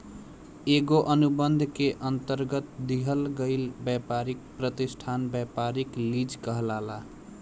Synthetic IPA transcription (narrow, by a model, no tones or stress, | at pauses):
eɡoʔənubənd̪ʱkeʔənt̪əɾɡət̪̚d̪iɦəlɡəɪlbjapaɾik̚pɾət̪isʈʰanbjapaɾiklid͡ʒkəɦlala